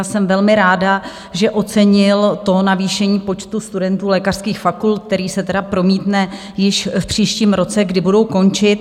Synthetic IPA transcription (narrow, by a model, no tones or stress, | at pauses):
sɛmvɛlmɪɾaːda | ʒɛʔo̞t͡sɛɲɪlt̪o̞naviːʃɛɲiːpo̞t͡ʃt̪ust̪udɛnt̪uːlɛːkar̥skiːxfakult̪̚k̚t̪ɛɾiːsɛt̪ɛdapɾo̞miːt̪nɛ | jɪʃfpr̝̥iːʃciːmɾo̞t͡sɛɡdɪbudo̞wko̞nt͡ʃɪt̪